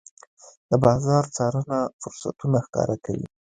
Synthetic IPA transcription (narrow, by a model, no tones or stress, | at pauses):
d̪̥əbɑzɑɾt͡sɑɾənafʊɾsa̰t̪unaxkɑ̰ɾakʰa̰wḭ